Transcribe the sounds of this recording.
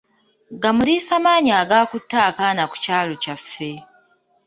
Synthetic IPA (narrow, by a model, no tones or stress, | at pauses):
ɡamuɾiːsamaːɲaːɡaːkutːaːkanaku̥caːlo̞cafːe̞